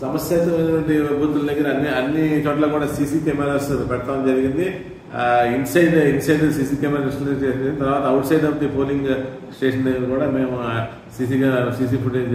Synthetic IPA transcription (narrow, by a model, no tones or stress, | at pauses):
sɐmɐsjeːt̪ɐɐjnɐʈʋɐɳʈibʱuːt̪uld̪ɐɡɐɾɐnːiɐnːit͡ʃɔːʈlaːkuːɽaːsiːsiːkemeɾaːɾspɛɽɐt̪aːʋnd͡ʒɐɾiɡind̪i | insɐjɖinsɐjɖsiːsiːkeːmɾaisʈɐneʈt͡ʃɐɾɡind̪it̪ɐɾʋaːt̪ɐɐwʈsɐjd̪ɐʋt̪ipoːliŋɡ | sʈeːʂɐnd̪ɐɡɐɾɐkuːɽaːmeːmu | siːs̬iːɡasiːs̬iːpuʈe